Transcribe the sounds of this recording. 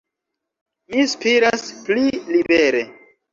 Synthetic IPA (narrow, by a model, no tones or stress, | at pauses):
mispiɾasplilibe̞ɾe̞